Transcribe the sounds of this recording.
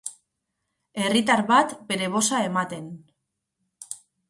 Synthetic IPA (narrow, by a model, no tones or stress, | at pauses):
e̞rit̪aɾβat̪be̞ɾe̞β̞o̞sae̞mat̪e̞n